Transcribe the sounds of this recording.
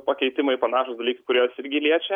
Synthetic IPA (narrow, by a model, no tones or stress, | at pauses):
pɐkʲɛɪt̪ʲɪmɐɪpɐnɑːʃʊsd̪ɐlʲiːkɐkʊɾʲoːsɪɾʲɡʲɪlʲiɛt͡ʃʲɛ